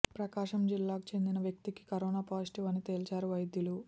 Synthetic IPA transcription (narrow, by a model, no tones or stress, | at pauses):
pɾɐkaːʂɐmd͡ʒilːaːku̥t͡ʃe̞nd̪inɐʋjɐk̚t̪iki̥kɐɾoːnaːpaːsʈiʋɐnit̪e̞ːlt͡ʃaːɾuʋɐjd̪julu